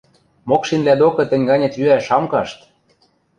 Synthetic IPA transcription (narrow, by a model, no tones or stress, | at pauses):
mokʃinblæd̪okɤ̆t̪ɘ̆nʲɡɑnʲĕt̪yæʃɑmkɑʃt̪